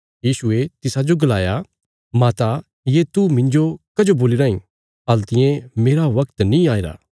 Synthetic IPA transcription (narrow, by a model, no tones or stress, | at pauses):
jiːsʊet̪ɪsad͡ʒoɡɐlaːja | mãːt̪a | jet̪umɪ̃ɲd͡ʒokɐd͡ʒoboːliɾaːĩ | ɐlt̪ɪjẽmeːɾaʋɐkt̪nĩaːeɾa̰ː